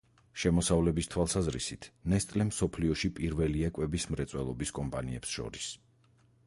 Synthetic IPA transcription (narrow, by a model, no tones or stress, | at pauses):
ʃɛmɔsavlɛbist̪ʰwalˠsazɾḭsit̪ʰnɛst̪ʼlɛmsɔpʰliɔʃipʼiɾvɛliɛkʼwɛbismɾɛt̪sʼwɛlˠɔbiskʼɔmpʼaniɛpsʃɔ̰ɾis